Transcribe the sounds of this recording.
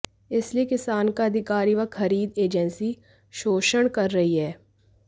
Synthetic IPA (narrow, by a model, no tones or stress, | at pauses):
ɪsliekɪsaːnkaɐd̪ʱɪkaːɾiʋɐxɐɾiːd̪eːd͡ʒənsi | ʃoːʃəɽkɐɾːɐɦiɦɛː